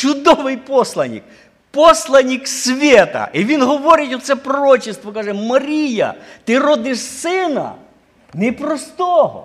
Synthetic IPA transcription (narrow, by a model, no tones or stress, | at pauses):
t͡ʃʊd̪ɔʋɪjpɔslˠɐnʲḭk̚ | pɔslˠɐnʲiksʲʋʲɛt̪ɐ̰ʔiʋʲinɦɔʋɔɾʲɪtʲɔt̪sɛpɾɔɾɔt͡ʃɪst̪ʋɔkaʒɛmɐɾʲijɐ̰t̪ɪɾɔd̪ɪʃsɪnɐ̰ | nɛpɾɔst̪ɔɦɔ̰